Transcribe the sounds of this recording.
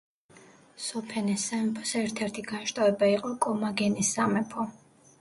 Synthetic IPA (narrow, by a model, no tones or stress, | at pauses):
sɔpʰɛnɛsamɛpʰɔsɛɾt̪ʰɛɾt̪ʰiɡaʃt̪ʼavɛbaiqʼɔkʼɔmaɡɛnisːamɛpʰɔ